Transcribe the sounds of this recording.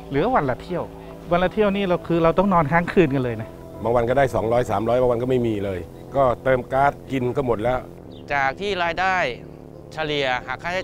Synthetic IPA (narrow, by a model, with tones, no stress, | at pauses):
lɯ˩˦ɐ˦wa˧nla˧˩t̪ʰi˥˩əw | wa˧nla˧t̪ʰi˥˩əwniː˥˩ɾa˧wkʰɯː˧ɾa˧wt̪ɔ˥˩ŋnɔː˧nkʰaː˥˩ŋkʰɯː˧nka˧nlɤː˧jna˦˥ | baː˧ŋwa˧nkɔː˥˩daː˥˩jsɔː˩˦ŋɾɔː˦˥jsaː˩˦mɾɔː˦˥jbaː˧ŋwa˧nkɔː˥˩ma˥˩jmiː˧lɤː˧j | kɔː˥˩t̪ɤː˧mkaː˦˥˩t̪̚ki˧nkɔː˥˩mo˨˩t̪̚lɛː˦˥w | t͡ɕaː˨˩k̚t̪ʰiː˥˩ɾaː˧jdaː˥˩j | t͡ɕʰa˧li˨˧əhaː˨˩kʰːaː˥˩a˥˩